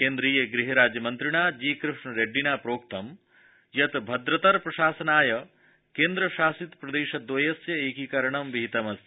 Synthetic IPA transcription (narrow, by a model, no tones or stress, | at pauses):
keːnd̪ɾijɐɡɾiɦɐɾaːd͡ʒjɐmɐnt̪ɾiɳ̃aːd͡ʒiːkɾɪʂɳɐɾeɖːinaːpɾoːk̚t̪ɐm | jɐt̪bʱɐd̪ɾɐt̪ɐɾpɾɐʃaːsɐnaːjɐ | keːnd̪ɾɐʃaːsit̪pɾɐd̪eːʃɐd̪ʋɐjɐsjɐeːkikɐɾɐɳ̃ɐmʋiɦit̪ɐmɐs